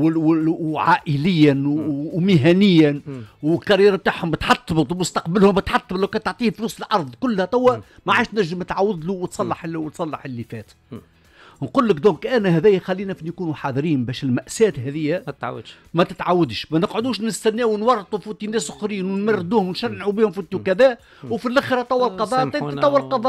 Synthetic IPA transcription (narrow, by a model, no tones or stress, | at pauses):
wwwʕaːʔɪlɪjːænmɪɦænɪjːænwɪlkɑɾjiːɾab̚t̪aːʕhʊmbɪt̪ħɑt̪ˤːbət̪ˤwmʊst̪ɑqbalhʊmbɪt̪ħɑt̪ˤːbt̪læwkæt̪oʕt̪ˤiːfluːsəlʔɑɾˤðˤkʊlːhæt̪ˤæwːæmaʕaːʃt̪næʒːəmnɪt̪ʕawːɪd̪luwət̪sˤɑlːɑħwt̪sˤɑlːɑħɪlːifɛːt̪ | nquːlːɪkd̪ɔ̃ːkʔænæɦæðæjæxælːiːnæfinjkuːnuħɑðˤɾiːnbɛːʃɪlmæʔsæːt̪ɦæðɪjːæ | mæt̪ɪt̪ʕawːad̪ʃmænəqʕʊd̪uːʃnɪst̪ænːæːwnwɑrˤːt̪ˤufuːt̪inːæːsʔʊxɾiːnwnmærːɪd̪uːhʊmwnʃænːʕubiːhʊmfuːt̪iwkæðæː | wfilʔæxɾɑt̪ˤɑwːɑlqɑðˤɑːʔt̪ˤit̪ɑwːlqɑðˤɑːʔ